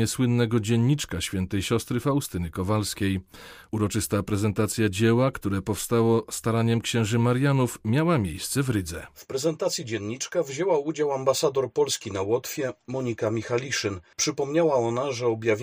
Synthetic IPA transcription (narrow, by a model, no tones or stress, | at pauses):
ɛswɘnːɛɡɔd͡ʑɛɲːit͡ʂkaɕfʲɛnt̪ɛjɕɔst̪ɾɘfaust̪ɘnɘkɔvalskʲejuɾɔt͡ʂɘst̪apɾɛzɛnt̪at̪sʲjad͡ʑɛwakt̪uɾɛpɔfst̪awɔst̪aɾaɲɛmkɕɛ̃w̃ʐɘmaɾjanufmʲawamʲjejst̪sɛvɾɘd̪zɛ̰fpɾɛzɛnt̪at̪sʲjid͡ʑɛnːit͡ʂkavʑɛwaud͡ʑawambasad̪ɔɾpɔlskʲinawɔt̪fʲjɛmɔɲikamʲixalʲiʂɘnpʂɘpɔmɲawaɔnaʐɛɔbʲjavʲ